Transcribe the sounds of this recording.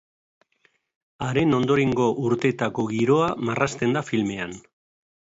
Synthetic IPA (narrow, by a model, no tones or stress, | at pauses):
aɾe̞no̞nd̪o̞ɾe̞ŋɡo̞ʔuɾt̪e̞t̪ako̞ɣiɾo̞amarast̪e̞nd̪afilme̞an